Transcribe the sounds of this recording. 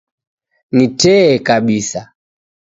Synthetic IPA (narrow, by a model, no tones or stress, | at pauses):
nitɛːkaɓisa